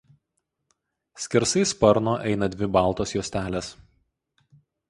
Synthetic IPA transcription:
sʲkʲɪɾsɐɪspɐɾnoːʔɛɪnɐd̪ʲʋʲɪbɑˑlˠt̪oːsjuːsʲt̪ʲæːlʲes

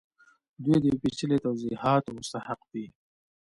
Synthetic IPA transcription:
d̪wijd̪əpit͡ʃəlet̪awzihɑt̪omʊst̪ahaqd̪i

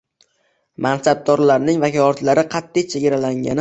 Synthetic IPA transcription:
mansab̚d̪ɒɾlaɾnɪŋvakʲʰɒɒt̪laɾɪqʰɑt̪ːɪjt͡ʃʰeɡʲaɾalaŋɡʲa̰nɪ

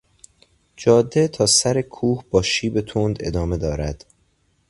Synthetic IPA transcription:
d͡ʒɒːd̪ːet̪ʰɒːsæɾekʰuːhb̥ɒːʃiːbe̞t̪ʰond̪e̞̰d̪ɒːme̞d̪ɒːɾæd̪̥

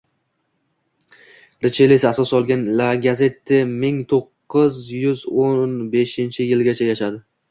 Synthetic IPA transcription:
ɾɪt͡ʃʰelesasɒsɒlˠɡʲanlaɡʲaze̞t̪ʰːɪmɪŋt̪ʰoqːɨzjʏzonnbe̞ʃɪnt͡ʃʰɪjɪlɡʲat͡ʃʰajaʃad̪ɪ

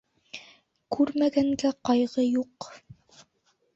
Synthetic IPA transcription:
kʉɾmæɡæŋɡæqɑjʁɤjuq

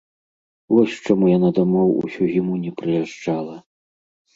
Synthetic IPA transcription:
vɔsʲt͡ʂamujanad̪amɔwṵsʲuɣʲimunʲɛpɾɨjaʐt͡ʂalˠɐ

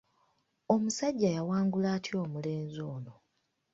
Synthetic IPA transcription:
o̞musaɟːajawaːŋɡulaːtʰjo̞ːmule̞ːnzo̞ːno̞

